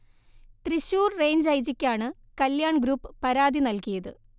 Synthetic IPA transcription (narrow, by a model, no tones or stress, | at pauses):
t̪riɕuːrre̞ːɲd͡ʑɐjd͡ʑikʲːaːɳɨ | kɐljaːɳɡɾuːpːɨpɐɾaːd̪inɐlkijɐðɨ